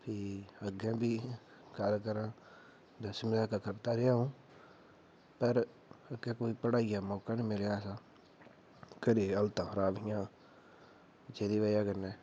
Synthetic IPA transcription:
pʰiːəɡɛ̃ːbiː | ɡəlkəɾãː | d̪əsmɪdaːkaːkəɾt̪aːɾɪaːũː | pəɾ | əɡɛ̃ːkoːiːpəɽaːiːaːmɔːkaːniːmɪljaːsaː | kəɾeːəlt̪ãːkʰəɾaːbɪjãː | d͡ʒeːd̪iːʋaːjaːkənːɛː

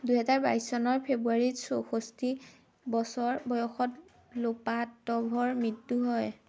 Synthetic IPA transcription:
duɦɛzaɹbaisːɔnɔɹpʰebuaɹitsoxosti | bɔsɔɹbɔjɔxɔt | lopatɔbʱɔɹmɹitːuɦɔj

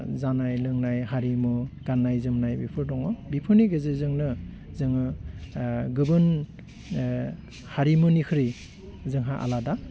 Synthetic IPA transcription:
zanajlɯŋnajɦaɾimɯɡ̥anːajzɯmnajbipʰɯɾdɔŋɔbipʰɯniɡɯzezɯŋnɯ | zɯŋɯ | ɡɯbɯn | haɾimɯnikʰɯɾi | zɯŋɦaʔa̰lada

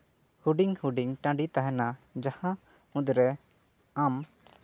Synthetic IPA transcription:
huɖiŋhuɖiŋʈãɖit̪aɦɛnad͡ʒahã | ũd̪ɾɛ | am

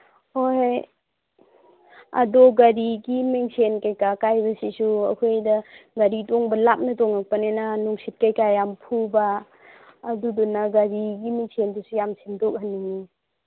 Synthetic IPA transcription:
hoj | ɐ̰dɔɡɐɾiɡimeŋsʰenkajkakajbɐsisuɐ̰kʰojdɐɡɐɾitɔŋbɐlap̚nɐtɔŋak̚panenanuŋsit̚kajkajampʰubaː | dudɔnɐɡɐɾiɡimiŋsendusujamsimdɔk̚hanːiŋi

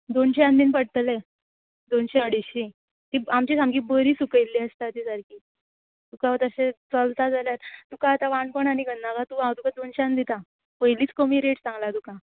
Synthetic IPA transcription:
d̪onɕeãnd̪iːnpəɽt̪əlɛ | d̪onɕeəɽiɕi | t̪iamt͡ɕisamɡiːbəɾiːsukəjlːiəst̪at̪isaɾkiː | t̪ukaət̪əɕet͡səlt̪ad͡zaljaɾt̪ukaːt̪aʋãɳkoɳaniɡʱənːakat̪uãd̪ukad̪onɕãnd̪it̪a | pəjliːt͡skəmiːɾeʈt͡sãŋɡlad̪uka

